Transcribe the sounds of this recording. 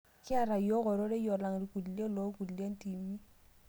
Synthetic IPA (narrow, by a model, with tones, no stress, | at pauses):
kɪ˦a˨ɾa˨jo˦kɔ˨ɾo˦ɾe˦jɔ˨la˨ŋ˨ɾi˨ku˨dle˦lo˨˦ku˨dlja˦n˦ti˨mi˦